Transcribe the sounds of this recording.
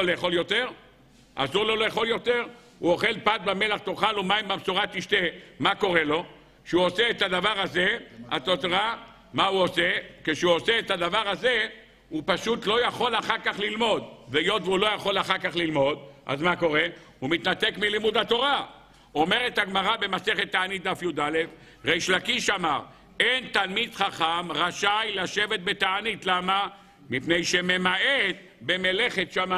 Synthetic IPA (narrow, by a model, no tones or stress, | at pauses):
leeχo̞ljo̞t̪e̞ʁ | ʔa̰zuʁlo̞lejeχo̞ljo̞t̪e̞ʁ | uo̞χe̞lpat̪̚bame̞laχt̪oχalumaimbamsuʁat̪iʃt̪emako̞ʁe̞lo̞ | kʃeuoseːt̪ad̪avaʁazea̰t̪otʁa | mauosekeʃeuoseːt̪ad̪avaʁaze̞ | upaʃut̪lo̞jaχo̞laχaʁkaχlilmo̞d̪vejo̞t̪veulo̞jaχo̞laχaʁkaχlilmo̞d̪ʔa̰zmako̞ʁe̞ | humit̪nat̪e̞kmilimud̪at̪o̞ʁa | o̞meʁe̞t̪haɡmaʁabe̞mase̞χet̪ːaanit̪̚d̪afjud̪ale̞f | ʁejʃlakiʃamaʁ | ent̪almid̪χaχamʁaʃajlaʃe̞vet̪̚be̞t̪aanit̪lama | mipnejʃe̞me̞maʔet | be̞me̞le̞χe̞t̪ʃama